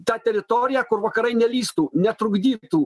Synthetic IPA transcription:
t̪at̪ʲɛɾɪt̪ɔɾʲjɐkʊɾvɐkɐɾɐjnʲɛlʲist̪unʲɛt̪ɾʊɡd̪ʲit̪u

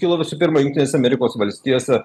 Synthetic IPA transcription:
kʲiːlˠɐʋʲɪsʊpʲɪɾmɐjʊŋʲkt̪ʲɪneːsʲɛɐmʲɛɾʲɪkoːsʋɐlʲsʲt̪ʲiːjoːsʲɛ

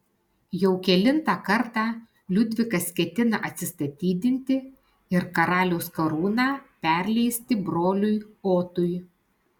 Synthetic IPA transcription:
jɛʊkʲɛlʲɪnt̪ɑːkɐɾt̪ɑː | lʲʊd̪ʲʋʲɪkɐskʲɛt̪ʲɪnɐʔɐt̪ʲsʲɪst̪ɐt̪ʲiːd̪ʲɪnʲt̪ʲɪ | ɪɾkɐɾɑːlʲoːskɐɾuːnɑːpʲæˑɾʲlʲɛɪsʲt̪ʲɪbɾoːlʲʊjoːt̪ʊj

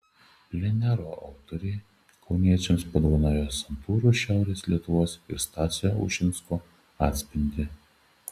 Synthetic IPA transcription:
pʲlʲɛnʲæɾoːʔɐʊt̪ɔɾʲɛɪ | kʰɒʊnʲiɛt͡ʃʲɛmspɐd̪oʋɐnɑːjoːsɐnt̪uːɾuːʃʲæˑʊɾʲeːslʲiɛt̪ʊʋoːsɪ̰ɾst̪ɑːt̪sʲɪjoʊ̰ʃʲɪnsko | ɑːt̪ʲsʲpʲɪnʲd̪ʲɪ

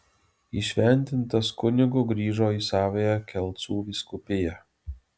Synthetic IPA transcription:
iʃʲʋʲɛnʲt̪ʲɪnt̪ɐskʊnʲɪɡʊɡɾʲiːʒoːiːsɑːʋʲejɛkʲɛlˠt̪suːʋʲiskʊpʲɪjɛ

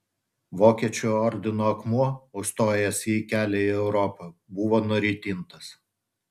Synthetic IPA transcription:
ʋoːkʲiɛt͡ʃʲuːɔɾʲd̪ʲɪnoːɐkmuɔʊʃst̪oːjɛsʲikʲæːlʲɛiɛʊɾɔpɐbʊʋoːnʊɾʲiːt̪ʲɪnt̪ɐs

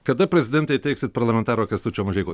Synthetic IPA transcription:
kɐd̪ɐpʲɾʲɛzʲɪd̪ʲɛnt̪ɛɪt̪ʲɛɪksʲɪt̪pɐɾlˠɐmʲɛnt̪ɑːɾoːkʲɐst̪ut͡ʃʲoːmɐʒʲɛɪko

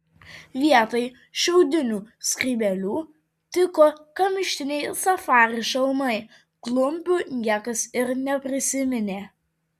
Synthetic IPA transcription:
ʋʲiɛt̪ɐɪ | ʃʲɛʊd̪ʲɪnʲuːskʲɾʲiːbʲɛlʲuː | t̪ʲɪkoːkɐmʲɪʃʲt̪ʲɪnʲɛɪsɐfɑːɾʲɪʃɛlˠmɐɪ | klˠʊmʲpʲuːnʲiɛkɐsɪɾnʲɛpʲɾʲɪsʲɪmʲɛnʲeː

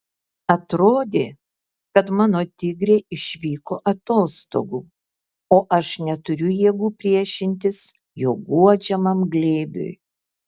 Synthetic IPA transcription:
ɐt̪ɾoːd̪ʲeː | kɐt̪mɑːnoːt̪ʲɪɡɾʲeːɪʃʲʋʲiːkoːʔɐt̪oːst̪o̰ːɡuː | oːʔɐʃnʲɛt̪ʊɾʲʊjiɛɡuːpʲɾʲiɛʃʲɪnʲt̪ʲɪs | joːɡuɔd͡ʒʲɛmɐmɡlʲeːbʲʊ̰j

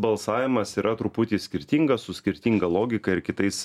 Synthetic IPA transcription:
bɐlˠsɑːʋʲɪmɐsiːɾʔɐt̪ɾʊpʊt̪ʲiːsʲkʲɪɾʲt̪ʲiŋɡɐssʊsʲkʲɪɾʲt̪ʲiŋɡɐlˠoːɡʲɪkɐɪɾkʲɪt̪ɐɪs

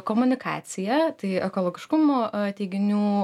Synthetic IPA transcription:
koːmʊnʲɪkʰɑ̰ːt̪sʲɪjɛt̪ɐɪɛkoːlˠoːɡʲɪʃkʊmoːt̪ʲeɪɡʲɪnʲuː

